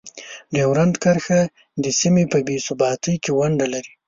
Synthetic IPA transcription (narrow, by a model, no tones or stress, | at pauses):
d̪əwɾand̪kaɾxa | d̪əsimepəbesʊbɑt̪əjkewaɳɖalaɾi